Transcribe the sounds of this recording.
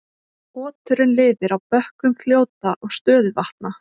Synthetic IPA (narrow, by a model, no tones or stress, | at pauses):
ɔːt̪ʏɾɪnlɪːvɪɾawpœhkʏmkʰl̥joːwt̪aʔɔɣst̪œːðʏvaht̪na